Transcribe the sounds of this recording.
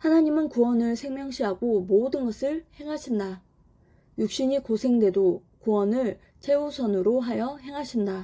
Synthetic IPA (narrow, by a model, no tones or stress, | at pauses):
hanaɲimɯnkuwʌnɯɭsʰe̞ŋmjʌŋɕʰiɦaɡomodɯnɡʌsʰɯɭhe̞ŋɦaɕʰinda | juk̚ɕ͈iɲikosʰe̞ŋdwe̞do | kuwʌnɯɭ | t͡ɕʰe̞usʰʌnɯɾoɦajʌɦe̞ŋɦaɕʰinda